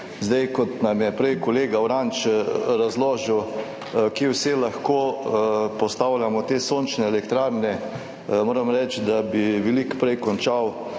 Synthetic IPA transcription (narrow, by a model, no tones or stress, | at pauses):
zd̪ajkɔt̪namjɛpɾɛjkɔleːɡawɾant͡ʃɾazloːʒəw | kewselaxkoːpɔst̪aːwlʲjamɔt̪eːsont͡ʃnɛːlɛkt̪ɾaːɾnɛ | moːɾɐmɾɛt͡ʃd̪abiʋɛlikpɾɛjkɔnt͡ʃaw